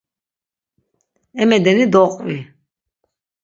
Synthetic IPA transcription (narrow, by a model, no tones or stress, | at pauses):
ɛmɛd̪ɛnid̪ɔqʼvi